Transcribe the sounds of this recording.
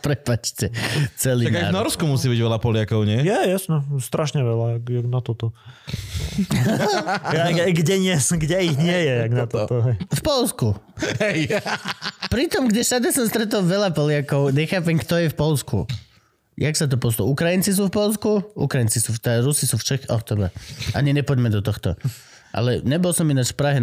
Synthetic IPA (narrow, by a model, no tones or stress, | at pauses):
pɾɛpat͡ʃtɛt͡sɛliaɡajvnɔɾskumusiːbiɟʋɛlapɔlɪakɔʊɲɛjɛjasɲɛst̪ɾaʃɲɛʋɛlaaɡnat̪ɔt̪ɔ | aɡɟɛɲɪɛsɡɟɛiɣɲɪɛjɛaɡnat̪ɔɔɦɛjfpɔlskuɦɛj | pɾit̪ɔmɡɟɛʃad̪asɔmst̪ɾɛt̪ɔlʋɛlapɔlɪakɔʊɲɛxaːpɛŋkt̪ɔjɛfpɔlskṵ | jaksat̪̬ɔpɔs̬lṵukɾajint͡sis̬uːfpɔls̬kuṵkɾajint͡sisuːft̪ɾusisuːft͡ʃɛxɔt̪ɔba̰ʔa̰ɲiɲɛpɔɟmɛd̪ɔt̪ɔxt̪ɔ̰ | ʔa̰lɛɲɛbɔlsɔminat͡ʃfpɾaɦɛ